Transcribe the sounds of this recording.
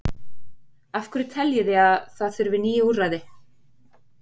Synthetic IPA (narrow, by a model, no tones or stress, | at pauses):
afkʏɾɪt̪ʰɛljɪðɪaðθaðθʏɾvɪniːjɪuraðɪ